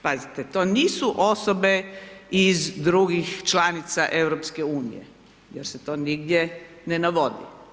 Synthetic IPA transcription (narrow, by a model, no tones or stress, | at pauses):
pazit̪et̪oːniːsuʔosobeizd̪ɾuɡixt͡ʃlanit̪saʔe̞ʋɾopskeuːnḭjḛ | jeɾset̪oːniɡd̪je | nenaʋod̪ḭ